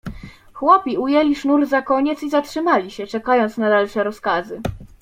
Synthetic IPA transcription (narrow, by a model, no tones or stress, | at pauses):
xwɔpʲiujɛlʲiʂnuɾzakɔɲɛt̪sizatʂɘmalʲiɕɛt͡ʂɛkajɔnt̪snad̪alʂɛɾɔskazɘ